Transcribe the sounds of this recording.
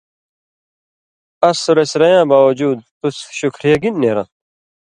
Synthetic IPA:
ɐsuɾesɾɐjãːbaːwɐd͡ʑuːd̪̚t̪usɕukʰɾijɐɡinːeːɾã̰

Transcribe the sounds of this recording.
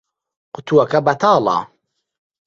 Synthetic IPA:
qʊt̪ʰuɐkɐbɐt̪ʰaːlɑ̰ː

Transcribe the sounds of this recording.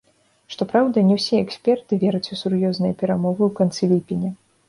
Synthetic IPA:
ʂt̪ɔpɾawd̪ɐnʲɛwsʲiɛksʲpʲɛrt̪ɨvʲɛɾɐt͡sʲusurjɔznɨjɐpʲɛɾamɔvɨwkant̪sɨlʲipʲinʲɐ

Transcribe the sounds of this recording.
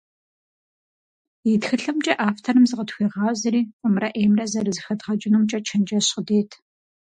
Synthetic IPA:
itxɨɬɨmt͡ʃʼɐʔaːftʰɐɾɨmzɨqətxʷiːʁɑːzɨɾiːqʼʊmrɐʔeːmrɐzɐrɨzxɐdʁɐt͡ʃʼɪnuːmt͡ʃʼɐt͡ʃʰɐnd͡ʒɐɕqədeːtʰ

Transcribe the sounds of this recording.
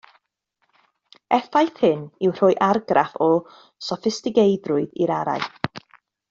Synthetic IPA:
ɛθajθhɨnɪwr̥ʊɨʔarɡrafɔ | sɔfɪstɪɡejdrʊɨðḭɾaɾa̰ɨ

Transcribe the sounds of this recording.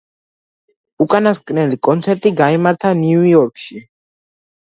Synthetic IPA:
ukʼanaskʼnɛlikʼɔnt̪sʰɛɾt̪ʼiɡaimaɾt̪ʰanuɔɾkʰʼʃi

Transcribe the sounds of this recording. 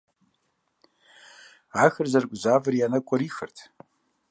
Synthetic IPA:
axɨrzarkʷʼzavrianakʷʰʼaɾixərtʰ

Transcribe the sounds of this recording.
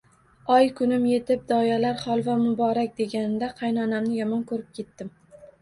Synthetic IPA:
ɒjkʰʊnɪmje̞t̪ʰɪp̚d̪ɒjalaɾχɒlˠvamʊbɒɾak̚ʲd̪e̞ɡʲanɪd̪aqʰɑjnɒnamnɪjɒmɒnkʰɵɾɪp̚kʲʰe̞t̪ːɪm

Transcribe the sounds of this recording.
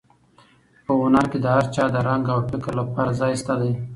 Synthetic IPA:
pəʊnaɾked̪əhaɾt͡ʃɑd̪əɾaŋɡawʈɪkəɾlapɑɾazɑjst̪ad̪e

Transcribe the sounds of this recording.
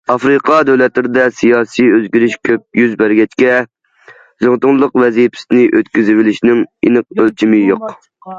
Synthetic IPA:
ɑfɾɨqʰɑd̪øwlɛt̪lɪɾɪd̪ɛsijɑːsijøzɡʲyɾɪʃkʲʰøp̚jyzbæɾɡʲɛt͡ʃkʲɛ | zɨŋt̪ʊŋlˠəqvɛzijpʰɪ̥sɪnɪʔøt̪kʲyzɪwɪlɪʃnɪŋḭnɨq̚ølt͡ʃʰimɪjoq

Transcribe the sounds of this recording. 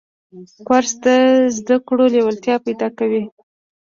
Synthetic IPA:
kwaɾsd̪əzd̪akɽolewəlt̪jɑpajd̪ɑkawi

